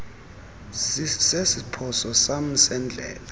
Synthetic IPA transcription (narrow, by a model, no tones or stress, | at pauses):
sesipʰɔsɔsam̩sɛnd͡ɮʱɛ̰ːla